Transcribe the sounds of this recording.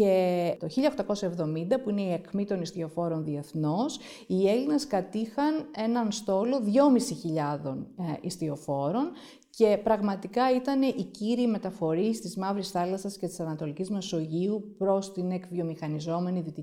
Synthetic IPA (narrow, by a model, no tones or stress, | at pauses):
et̪o̞çiʎɐoxt̪ɐko̞sɐe̞vðo̞mind̪ɐpuine̞iɐkmit̪o̞nist̪io̞fo̞ɾo̞nðie̞θno̞s | ie̞lineskɐt̪ixɐne̞nɐnst̪o̞lo̞ðʝo̞misiçiʎɐðo̞nḭst̪io̞fo̞ɾo̞n | ce̞pɾɐɣmɐt̪ikɐit̪ɐne̞ʔiciɾime̞t̪ɐfo̞ɾist̪izmɐvɾisθɐlɐsɐscet̪i̥sɐnɐt̪o̞licizme̞so̞ʝiupɾo̞st̪inekvio̞mixɐnizo̞me̞niðit̪i